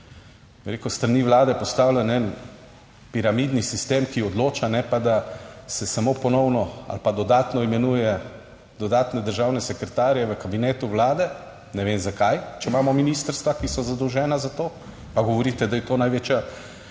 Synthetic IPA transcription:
biɾeːkust̪ɾaniːʋlaːd̪ɛpɔst̪awlʲanɛn | piɾamid̪nisist̪eːmkiɔd̪loːt͡ʃanɛpad̪asɛsamoːpɔnɔwnɔa̰lpad̪ɔd̪aːt̪nɔimɛnuːjɛ | d̪̥ɔd̪aːt̪nɛd̪əɾʒaːwnɛsɛkɾɛt̪aːɾjɛʋəkabinɛːt̪uʋlaːd̪ɛ | nɛʋemzakajt͡ʃɛmaːmɔminiːst̪əɾst̪ʋakisɔzad̪ɔwʒɛːnazat̪oː | paɡɔʋɔɾiːt̪ɛd̪ajɛt̪oːnajʋeːt͡ʃja

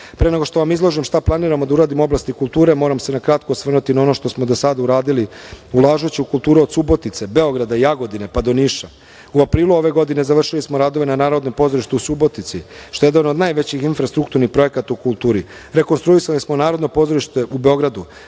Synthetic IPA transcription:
pɾeneɡoʃt̪o̞ʋamizlˠo̞ʒimʃt̪aplˠaniːɾamod̪auɾaːd̪imoblˠast̪ikulˠt̪uːɾe̞mo̞ːɾamse̞nakɾat̪̚kosʋr̩nut̪inao̞no̞ʃt̪o̞smo̞d̪osad̪auɾaːd̪iliulaːʒut͡ɕiukulˠt̪uːɾeo̞d̪subo̞t̪it̪se̞be̞o̞ɡɾad̪aijaɡo̞d̪ine̞pad̪o̞niːʃa | uapɾiːluo̞ʋe̞ɡo̞d̪ine̞zaʋr̩ʃilismoɾaːd̪o̞ʋe̞nanaːɾo̞d̪nopo̞zoiʃt̪eusubo̞t̪it̪siʃt̪o̞jed̪anod̪najʋe̞t͡ɕixinfɾast̪ɾukt̪uɾnixpɾo̞je̞kat̪aukulˠt̪uːɾi | ɾe̞ko̞nst̪ɾuisalismonaːɾod̪nopo̞zo̞ɾiʃt̪e̞ʔube̞o̞ɡɾad̪u

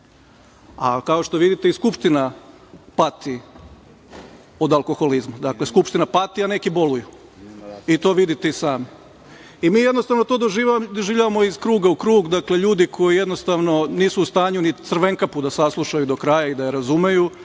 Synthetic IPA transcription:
akao̞ʃt̪o̞ʋid̪it̪eiskupʃt̪ina | pat̪i | od̪alˠko̞xo̞lizmad̪akleskupʃt̪inapat̪iane̞kibo̞luju | it̪o̞ːʋid̪it̪eisaːmi | imiːjed̪nost̪aʋnot̪o̞ːd̪oʒid̪oʒiːʋʎʲaʋamo̞izkɾuːɡaukɾuːɡd̪akleʎuːd̪ikʰo̞jije̞d̪no̞st̪aʋno̞niːsuːst̪aːɲunit̪sɾ̩ʋe̞ŋkapud̪asaslˠuʃajud̪o̞kɾajaid̪ajeɾazumeju

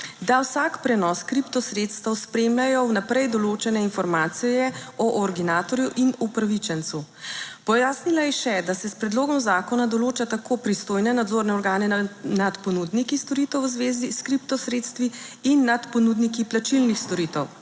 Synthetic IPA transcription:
d̪awsakpɾɛnɔskɾipt̪ɔsɾet̪st̪əwspɾeːmlajɔwnapɾɛjd̪ɔloːt͡ʃɛnɛinfɔɾmaːt̪sijɛɔʔɔɾɡ̪inaːt̪ɔɾjuʔinupɾaʋit͡ʃɛnt̪su | pɔjaːsnilajɛʃɛd̪asɛspɾɛd̪loːɡɔmzaːkɔnad̪ɔloːt͡ʃat̪akoːpɾist̪oːjnɛnad̪zoɾnɛɔɾɡaːnɛnat̪pɔnud̪nikist̪ɔɾit̪ɛwzʋeːziskɾipt̪ɔsɾeːt̪st̪ʋiinːat̪pɔnud̪nikiplat͡ʃilnixst̪ɔɾit̪ɛw

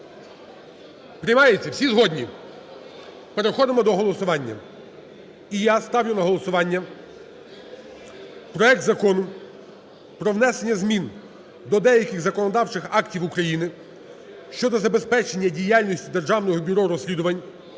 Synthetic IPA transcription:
pɾʲɪjmɑjet͡sʲːɐwsʲizɦɔdʲnʲi | pe̞ɾexɔd̪ɪmɔd̪ɔɦɔlˠɔsʊʋɑnʲːɐ̰ | ijast̪ɑwjʊnɐɦɔlˠɔsʊʋɑnʲːɐ | pɾɔɛk̚t̪zɐkɔnʊ | pɾɔwnɛsenʲːɐzmʲin | d̪ɔd̪ɛjɐkʲɪɣzɐkɔnɔd̪ɑwt͡ʃɪxɑktʲiwukɾɐjinɪ | ʃt͡ʃɔd̪ɔzɐbespɛt͡ʃe̞nʲːɐdʲijalʲnʲisʲtʲid̪e̞rʒɑwnɔɦɔbʲʊɾɔɾɔsʲlʲid̪ʊʋɐnʲ

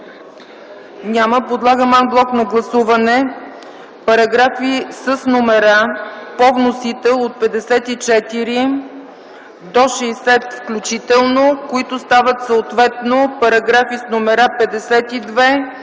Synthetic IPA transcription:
nʲaməpod̪lˠaɡəmanblˠɔknɐɡlˠɐsuvɐnɛ | pɐɾɐɡɾafisəsnomɛɾapɔvnosit̪ɛot̪̚pɛd̪ɛsɛt̪it͡ʃɛt̪iɾi | d̪ɔʃɛːsɛt̪fklʲut͡ʃit̪ɛlˠnokoit̪ʊst̪avət̪soot̪vɛt̪nopɐɾɐɡɾafisnomɛɾapɛd̪ɛsɛt̪id̪vɛ

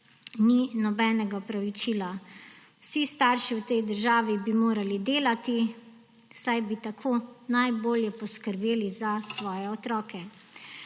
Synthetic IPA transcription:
ninɔbɛːnɛɡaɔpɾaʋit͡ʃiːla | wsist̪aːɾʃiwt̪ɛjd̪əɾʒaːʋibimoːɾalid̪eːlat̪i | sajbit̪akʰoːnajboːljɛpɔskəɾbeːlizasʋɔːjɛɔt̪ɾɔːkʰɛ

